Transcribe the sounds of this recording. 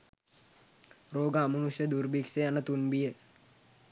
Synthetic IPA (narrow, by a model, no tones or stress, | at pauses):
roːɡaamənusjəd̪urbikseanət̪unbijə